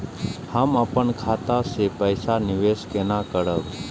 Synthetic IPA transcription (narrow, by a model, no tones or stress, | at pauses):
haːmapəɳkʰaːt̪asepəjsanɪʋeːskenãːkəɾəʋ